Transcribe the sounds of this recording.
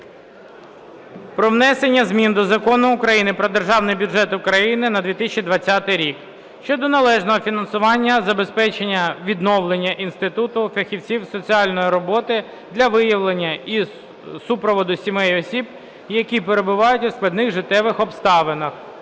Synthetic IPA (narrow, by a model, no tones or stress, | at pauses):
pɾɔʋnɛsenʲːɐzmʲind̪ɔzɐkɔnʊːkɾɐjinɪpɾɔd̪erʒɑwnɪjbʲʊʐɛt̪ʊkɾɐjinɪnɐd̪ʲʋʲit̪ɪsʲt͡ʃʲid̪ʋɐt͡sʲːɑt̪ɪjɾʲik | ʃt͡ʃɔd̪ɔnɐlˠɛʒnɔɦɔfʲinɐnsʊʋɑnʲːɐzɐbe̞spɛt͡ʃenʲːɐʋʲid̪nɔwlˠenʲːɐʔinst̪ɪt̪ut̪ʊfʲɐxʲiwt͡sʲiwsɔt͡sʲiɑlʲnɔjiɾɔbɔt̪ɪ | d̪lʲɐʋɪjɐʋlˠenʲːɐi | supɾɔʋɔd̪ʊsʲimɛjɔsʲib | jɐkʲipeɾe̞bʊʋɑjʊtʲʊsklˠɐd̪nɪɣʐɪt̪ɛʋɪxɔpst̪ɑʋenɐx